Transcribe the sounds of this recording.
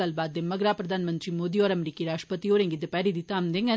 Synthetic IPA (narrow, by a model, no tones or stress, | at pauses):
ɐlbaːd̪emːɐɡɾaːpɾɐd̪ʱaːnɐmɐnd̪rimoːd̪ijoːɾɐmɾikːiɾaːʂʈɐ̥pɐt̪ːijoːɾeŋɡid̪ɯpɐɾid̪it̪ːaːmd̪eŋɡɐ